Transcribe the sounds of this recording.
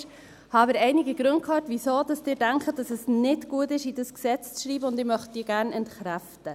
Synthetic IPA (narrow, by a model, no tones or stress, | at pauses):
hɑbəɾɛɪnɪɡəɡ̥ɾʊnt̚kʰɑːtvisoːd̥ɑsd̥ɪːdæŋkχət̚d̥ɑsɛsnɪtɡ̥uətɪʃidəsksɛt͡st͡sʃɾiːbəʊndɪmœχt̚d̥iːəɡæːɾnɛntχɾæftə